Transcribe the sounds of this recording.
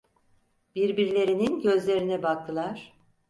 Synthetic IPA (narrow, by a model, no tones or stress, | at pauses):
biɾbiɾlʲe̞ɾininɟø̞zlʲe̞ɾinɛbak̚t̪ʰɯlˠaɾ̥